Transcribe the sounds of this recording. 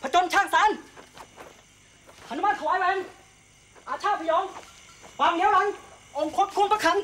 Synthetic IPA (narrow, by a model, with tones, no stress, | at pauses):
pʰa˧˩t͡ɕo˧nt͡ɕʰaː˧˩ŋsaː˨˦˥n | ʔa˧˩nu˦˥ma˧˥˩n̚kʰa˧waː˨˥jwɛː˧˦˨ŋ | ʔaː˨˧˩t͡ɕʰaː˧˥˩pʰa˧jɔː˨˦ŋkʰwaː˧mni˨˦˥wɾa˧˦˥ŋʔo˧ŋkʰo˧˦˥p̚kʰu˧˨mpʰa˧˥kʰa˧˥ŋ